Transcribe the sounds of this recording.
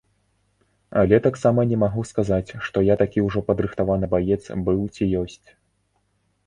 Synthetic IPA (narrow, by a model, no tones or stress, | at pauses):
ɐ̰lʲɛt̪aksamɐnʲɛmaɣuskazat͡sʲʂt̪ɔjat̪akʲiuʐɔpɐd̪ɾɨxt̪avanɨbajɛt̪sbɨwt͡sʲijɔsʲt͡sʲ